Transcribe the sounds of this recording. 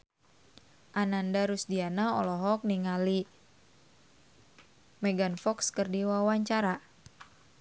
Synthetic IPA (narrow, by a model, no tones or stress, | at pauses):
ʔanandaɾusdianaɔlɔɦɔk̚niŋali | mɛɡanfɔkskərdiwawaɲt͡ʃaɾa